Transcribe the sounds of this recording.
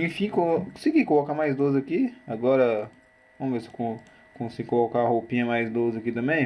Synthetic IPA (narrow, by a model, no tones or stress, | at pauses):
ẽfĩkõsiɡikolokamajzd̪ozakiaɡɔɾɐ | võmvese̥kõ | kõsiɡɪkolokahowpĩɲɐmajzd̪ozɪakit̪ɐ̃mbẽj̃